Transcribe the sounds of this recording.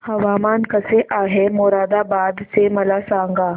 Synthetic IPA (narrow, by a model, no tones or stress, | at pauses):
hɐʋaːmaːnkɐseʔaːɦemoːɾaːd̪abaːd̪semɐlasãːŋɡaː